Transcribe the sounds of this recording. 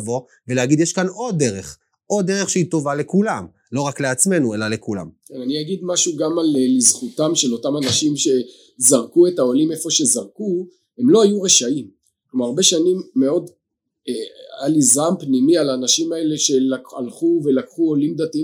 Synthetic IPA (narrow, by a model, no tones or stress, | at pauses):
vo̞ | veleaɡid̪jeʃkano̞d̪ːe̞ʁe̞χ | ʔo̞d̪ːeʁeχʃeit̪o̞vale̞kulam | lo̞ʁakle̞at͡sme̞nue̞lale̞kula̰mkenaniaɡid̪maʃuɡamallizχut̪amʃe̞lo̞tamanaʃimʃe̞ | zaʁkuetaolimefo̞ʃe̞zaʁku | he̞mlo̞ajuʁeʃaim | klomaʁaʁbe̞ʃanimːe̞o̞d̪ | ealizampnimialaːnaʃimae̞leʃe̞lakalχuve̞lakχuolimd̪at̪ii